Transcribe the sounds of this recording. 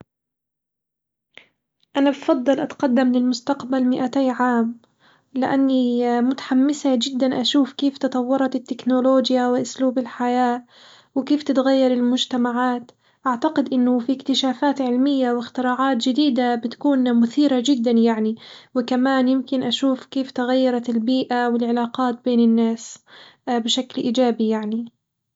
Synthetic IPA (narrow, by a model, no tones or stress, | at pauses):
ʔanabfɑd̪ˤːɨlʔat̪qɑd̪ːamlɪlmʊst̪aqbalmɪʔat̪aːʕaːm | lɪʔanːimʊt̪ḁħamːɪsad͡ʒɪd̪ːanʔaʃuːfkeːft̪ɑt̪ˤɑwːɑɾˤɑt̪ɪt̪ːɪknoloːd͡ʒjawɪʔʊsluːbɪlħajaː | wɪkeːft̪ɪt̪ɣajːɑɾˤɪlmʊd͡ʒt̪amaʕaːt̪ | ʔaʕt̪aqɪd̪ʔɪnːʊfikt̪ɪʃaːfaːt̪ʕɪlmɪjːawɪxt̪ɪɾɑːʕaːt̪d͡ʒɪd̪iːd̪abɪt̪ḁkuːnmʊθiːɾad͡ʒɪd̪ːanjaʕniwɪkamaːnjɪmkɪnʔaʃuːfkeːft̪aɣajːɑɾˤɑt̪ɪlbiːʔawɪlʕɪlaːqɑːt̪̚beːnɪnːaːs | bɪʃaklʔiːd͡ʒaːbijaʕni